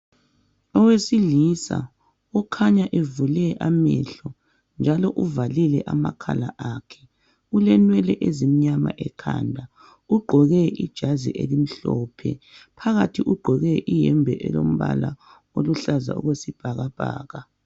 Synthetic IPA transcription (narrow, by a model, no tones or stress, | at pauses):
ɔwesiliːsa̰ | ɔkʰaɲaʔevulɛʔamɛɬɔ | nd͡ʒʱalɔʔuvalilɛʔamakʰa̰laʔakʰɛ̥ | ulɛnwɛlɛʔezimiɲama̰ʔɛkʰa̰ndʱa | uɡ͡ǃʱɔɣɛid̥ʒ̥ʱazḭʔḛlim̩ɬɔːpʰɛ̰pʰaɣatʰiʔuɡ͡ǃʱɔɣɛʔijɛmbʱɛʔɛ̰lom̩βa̰la̰ | oluɬaza̰ṵɣwesib̥ʱaɣab̥ʱa̰ːɣa